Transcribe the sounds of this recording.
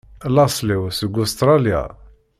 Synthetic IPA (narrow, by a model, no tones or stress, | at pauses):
lɑsˤliwsəɡʊst̪ɾˤɑlja̰